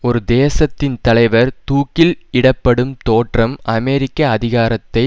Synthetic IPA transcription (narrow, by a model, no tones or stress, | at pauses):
ɔɾɯd̪eːsɐt̪ːɪnt̪ɐlɐɪʋɐɾt̪uːkːɪlɪɽɐpːɐɽɯmt̪oːʈrɐmɐmɛɾɪkːɐːðɪɣaːɾɐt̪ːɐɪ